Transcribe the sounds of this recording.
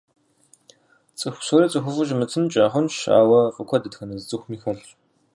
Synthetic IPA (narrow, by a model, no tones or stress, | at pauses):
t͡sʼɨxʷsuɾiːt͡sʼɨxʷʊvʊʒmɨtʰɨmt͡ʃʼaːχʷʊnʃa̰ːwɐfʼɨkʷʰɔdɨtxɐnɐzɨt͡sʼɨxʷmiːxɐɮ